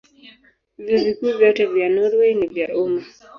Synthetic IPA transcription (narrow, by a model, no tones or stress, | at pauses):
vizikuːvjɔtɛvjanuɾwɛnivjaʔuma